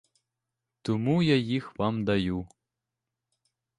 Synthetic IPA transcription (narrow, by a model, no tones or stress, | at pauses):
t̪ʰumujɐjixvɐmd̪ɐju